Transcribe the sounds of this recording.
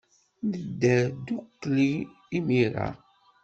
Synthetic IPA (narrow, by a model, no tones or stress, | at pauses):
nəd̪ːæd̪ukːliː | miɾa̰